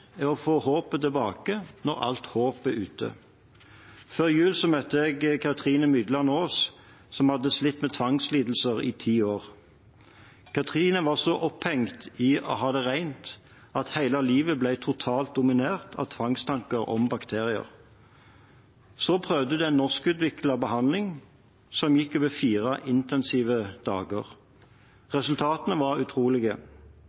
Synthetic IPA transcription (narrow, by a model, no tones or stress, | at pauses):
ɛɔfoːhoːpət̪ʰɪlbɑːkənɔʁɑ̰lt̪hoːpəʔʉːt̪ʰə̰ | føːʁjʉːlsɔmœt̪ːəɛɡkʰɑt̪ʰʁiːnəmʏd̪lɑnoːs | sɔmhɑd̪ːəslɪt̪ːmɛt̪ʰʋɑŋsliːd̪l̩səʁḭːt̪ʰiːoːʁ | kʰɑt̪ʰʁiːnəʋɑʁsɔʔɔphɛŋt̪iɔ̰hɑːd̪ɛʁæɪnt̪ | ɑt̪hæɪlɑliːʋəblæɪt̪ʰʊt̪ʰɑːlt̪̚d̪ʊmɪneːʁt̪ʰɑ̰ʋt̪ʰʋɑŋst̪ʰɑŋkəʁɔ̰mbɑkt̪ʰeːʁɪə̰ʁ | soːpʰʁœʋd̪əd̪ɛɛnːɔʁskʉːt̪ʋɪklɑbəhɑnd̪lɪŋ | sɔmjɪkːøːʋəfiːʁɑʔɪnt̪ɛnsiːʋəd̪̥ɑ̰ːɡə̰ʁ | ʁɛsʉlt̪ʰɑːt̪ənəʋɑʁʉt̪ʰʁuːlɪɡə